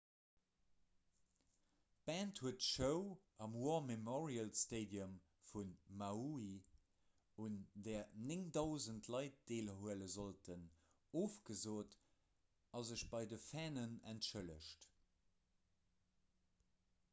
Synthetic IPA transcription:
b̥æːnthuətəʃəʊʔɑmwɔmemɔʁiəlsteɪdiəm | funmaui | undɛːɐnɪŋdaʊzəntʰlɑɪt̚d̥eːlɦuələzoltʰən | oːfɡ̥əzoːt | ɑzəʃb̥ɑɪdəfæːnənæntʃələʃt

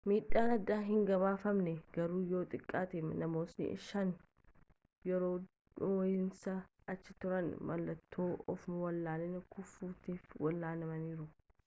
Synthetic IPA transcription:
miːɗːaːnɐd̪ːaːɦɪŋɡɐβaːfɐmnɛɡ̥ɐɾuːjoːt̪ʼɪkʼːaːt̪eːmnɐmo̞ːsnɪ̰ʔɪ̰ʃɐn | jɛɾoː | ojɪnsɐ | ɐt͡ʃːɪt̪ʊɾɐnmʔɐlːɐt̪ʰːoːɔ̰fmwɐlːaːnɛnkʊfːuːt̪iːfwɐlːaːnɐmɐniːɾʊ

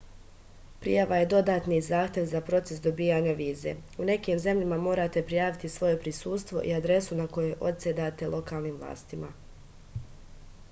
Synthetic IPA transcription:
pɾḭjaʋaje̞d̪o̞d̪aːt̪nizaːxt̪je̞ʋzapɾo̞t̪se̞sd̪o̞biːjaɲaʋiːze̞̰une̞kiːmze̞mʎamamo̞ːɾat̪e̞pɾijaːʋit̪isʋo̞je̞pɾisuːst̪ʋo̞̰ʔiad̪ɾe̞sunako̞jeʔo̞̰t̪sed̪at̪e̞lʔo̞kaːlˠniːmvlˠa̰ːst̪ima

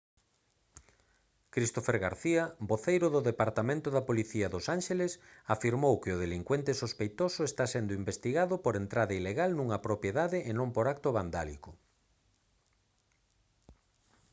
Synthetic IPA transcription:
kɾist̪ofeɾɣa̰ɾθiɐboθejɾʊðʊðepaɾt̪amẽnt̪ʊðɐpoliθiaðʊsanʃelesafiɾmowkɪʊð̞eliŋkwent̪esospejt̪osʊest̪asend̪ʊimbest̪iɣaðʊpoɾent̪ɾaðaileɣalnũŋɐpɾopjeðaðɪʔenõmpoɾakt̪ʊβand̪alḭkʊ

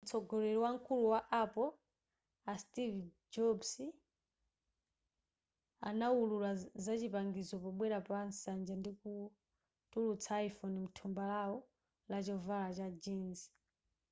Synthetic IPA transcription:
m̩t͡sʰɔɡɔlɛɾɔwaŋkʰuluwaʔapɔ | astiv | d͡ʒɔbs | a̰naululazat͡ʃipaŋɡizɔpɔɓwɛɾapansand͡ʒandiku | tulut͡sʰaifɔnim̩tʰumbalaɔ | lat͡ʃɔvalat͡ʃad͡ʒiːnzi̥

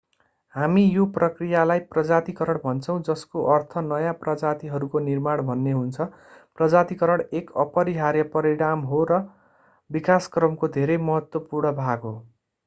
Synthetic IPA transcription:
hamijoprʌkrijalajprʌd͡zat̪ikʌɾʌɽbʱʌnt͡sʰʌw̃d͡zʌskoʔʌrt̪ʰʌnʌjaprʌd͡zat̪iɦʌɾukonirmaɽbʱʌnːeɦunt͡sʰʌ | prʌd͡zat̪ikʌɾʌɽekʌpʌɾiɦaɾjʌpʌɾiɽamɦoɾʌ | bikaskrʌmkod̪ʱeɾejmʌɦʌt̪wʌpurɳʌbʱaɡɦo

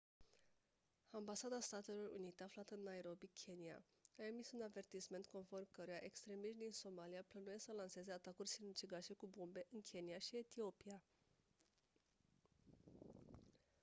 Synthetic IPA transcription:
ambasad̪ast̪at̪e̞lo̞rṵnit̪e̞aflat̪əɨnːaeɾo̞bikʲʰe̞nia̰ | ae̞misunave̞rt̪isme̞nt̪̚ko̞nfo̞rmkəɾujaʔe̞kst̪ɾe̞miʃt̪̚d̪inso̞maliaplənujesəlanse̞ze̞at̪akurʲsinut͡ʃiɡaʃe̞kubombe̞ʔɨnkʲʰe̞niaʃie̞t̪io̞pia

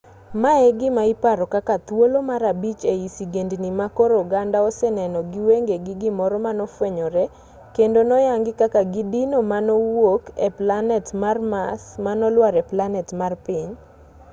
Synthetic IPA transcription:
maɛɡɪmaɪpaɾɔkakat̪wolomaɾabit͡ʃeisiɡendnimakɔɾɔɡandaɔsɛnɛnɔɡɪweŋɡeɡɪɡɪmɔɾɔmanɔfweɲɔɾɛ | kendonɔjaŋɡɪkakaɡɪdinomanɔwokeplanɛtmarma̰smanɔlwaɾɛplanɛtmarpɪɲ

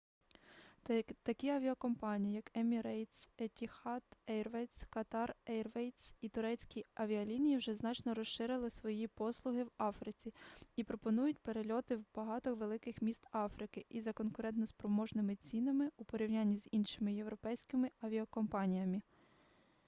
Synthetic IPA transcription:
t̪ɐkʲiɐʋʲiɐkɔmpɑnʲijijɐkɛmʲiɾɛjt̪set̪ʲixɑt̪ɛjrʋɛjt̪skɐt̪ɑrɛjrʋɛjt̪sit̪ʊɾɛt͡sʲkʲiɐʋʲiɐlʲinʲijiwʒɛznɑt͡ʃnɔɾɔʃʃɪɾɪlˠɪsʋɔjipɔslˠʊɦɪwɑfɾɪt͡sʲiipɾɔpɔnujʊtʲpeɾelʲɔt̪ɪwb̥ɐɦɑt̪ɔxʋelˠɪkɪxmʲist̪ɑfɾɪkɪʔizɐkɔnkʊɾɛnt̪nɔspɾɔmɔʒnɪmɪt͡sʲinɐmɪupɔɾʲiwnʲanʲːizinʃɪmɪjewɾɔpɛjsʲkɪmɪɐʋʲiɐkɔmpɑnʲijɐmɪ

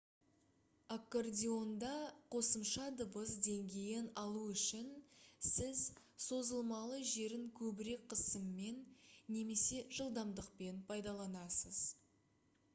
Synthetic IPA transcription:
akːordʲio̞nd̪ɑqʰo̞səmʃɑd̪əbəsd̪e̞ŋɡʲe̞jɪnɑlˠuʏʃɪnsɪz | so̞zəlˠmɑlˠəʒe̞ɾɪŋkʲʰɵbɪɾe̞k̚qʰəsəmːe̞nːe̞me̞se̞ʒ̥əlˠd̪ɑmd̪əq̚pe̞npʰɑjd̪ɑlˠɑnɑsəz̥

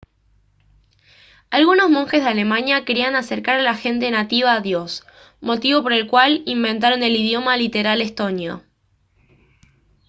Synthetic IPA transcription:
alɣuno̞zmo̞ŋxe̞zðeale̞mãnjakeɾianase̞ɾkaɾalaxe̞nt̪e̞nat̪iβ̞aːðjo̞s | mo̞t̪iβo̞po̞ɾe̞lkwalimbẽ̞nt̪̬aɾo̞ne̞lið̞jo̞malit̪e̞ɾale̞st̪o̞njo̰

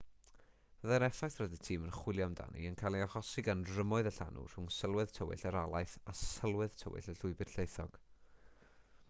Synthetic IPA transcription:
v̥əðɛɾɛfɛtʰrɔdətʰiːmənχwɪlˠjɔmda̰nḭənkʰalˠiaχɔsɪɡanrəmɔɨðəɬa̰nʔʊ̰r̥hʊŋsəlˠwɨð̥tʰəwɪ̰ɬəɾalˠajθasəlˠwɨð̥tʰə̰wɪ̰ɬəɬʊɨbɪrɬejθɔɡ̥

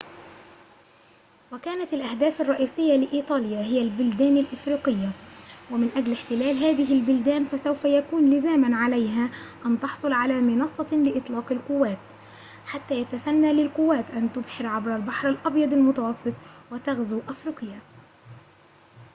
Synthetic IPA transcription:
wakaːnat̪ɪlʔahd̪aːfɑrˤːɑʔiːsɪjːalɪʔiːt̪ˤɑːljaːɦɪjalbʊld̪æːnalʔɪfɾiːqɪjːawɪmɪnʔad͡ʒlɪħt̪ɪlæːlɦaːðɪɦɪlbʊld̪æːnfasawfajakuːnlɪzaːmanʕalajɦaːʔant̪ɑħsˤʊlʕalaːmɪnɑsˤːɑlɪʔɪt̪ˤlɑːqɪlqʊwːaːt̪ | ħat̪ːaːjat̪asanːaːlɪlqʊwːaːt̪ʔant̪ʊbħɪɾʕabɾalbaħɾalʔɑbjɑd̪ˤalmʊt̪ɑwɑsˤːɨt̪ˤwɪt̪aɣzuʔafɾiːqɪjːa

